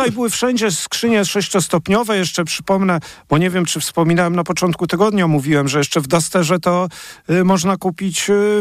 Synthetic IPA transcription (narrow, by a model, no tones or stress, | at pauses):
ajbɘwɘfʂɛɲd͡ʑɛskʂɘɲɛʂɛɕt͡ɕɔst̪ɔpɲɔvɛjɛʂt͡ʂɛpʂɘ̥pɔmnɛb̥ɔɲɛvʲjɛmt͡ʂɘfspɔmʲinawɛmnapɔt͡ʂɔnt̪̚kut̪ɘɡɔd̪ɲamuvʲiwɛmʐɛjɛʂt͡ʂɛvd̪ast̪ɛʐɛt̪ɔmɔʐnakupʲit͡ɕ